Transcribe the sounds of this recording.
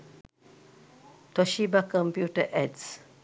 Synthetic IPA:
tɔʃibakɔ̃mpjutəʔɛds

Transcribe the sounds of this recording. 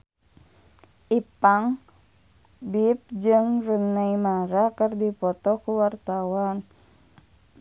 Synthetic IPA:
ʔipaŋ | bip̚d͡ʒɨŋrunːaimaɾakərdipɔt̪ɔkuwart̪awan

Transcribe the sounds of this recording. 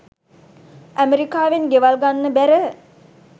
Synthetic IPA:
æmeɾikaːʋenɡeʋalɡanːəbæɾə

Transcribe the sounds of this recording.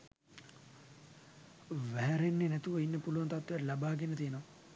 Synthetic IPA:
ʋæɦæɾenːenɛt̪uʋəinːəpuluʋant̪at̪ʋejarlabaːɡenət̪ijənoʋa

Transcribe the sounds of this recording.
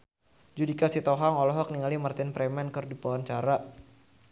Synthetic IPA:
d͡ʒudikasit̪ɔɦaŋɔlɔɦɔk̚niŋalimart̪inpɾɛmɛnkərdipawant͡ʃaɾa

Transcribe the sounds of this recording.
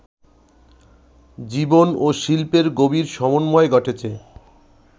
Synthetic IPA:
d͡ʑibonoʃilpeɾɡobiɾʃɔmonmɔeɡɔʈʰet͡ɕʰe

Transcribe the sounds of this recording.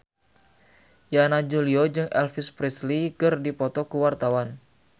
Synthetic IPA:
janad͡ʒuliod͡ʒɨŋʔɛ̰lfispɾislikɨrdipɔt̪ɔkuwart̪awan

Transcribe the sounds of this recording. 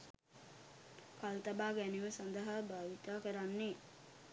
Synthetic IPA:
kalt̪ɐbaːɡæniʋəsand̪əɦabaːʋit̪aːkəɾanːe

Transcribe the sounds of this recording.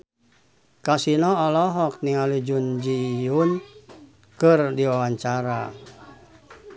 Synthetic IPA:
kasinɔɔlɔɦɔk̚niŋalud͡ʒund͡ʒijun | kɨrdiwawaɲt͡ʃaɾa

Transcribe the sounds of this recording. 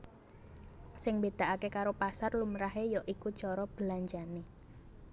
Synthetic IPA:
sɪŋmbed̪̥aʔakekaɾopasarlumɾaɦejɔʔikut͡ʃɔɾɔb̥əlaɲd͡ʒane

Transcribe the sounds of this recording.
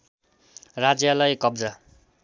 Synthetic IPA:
rad͡zjalʌjkʌbd͡za

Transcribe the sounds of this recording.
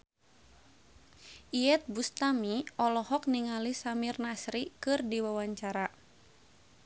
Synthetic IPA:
ʔijɛt̪̚bust̪amiɔlɔhɔk̚niŋalisamirnasɾikɨrdiwawaɲt͡ʃaɾa

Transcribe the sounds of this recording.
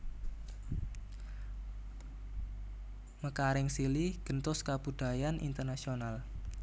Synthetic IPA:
məkaɾɪŋsiliɡ̥ənt̪ʊskab̥uɖ̪̥a̤janʔḭnt̪ərnasional

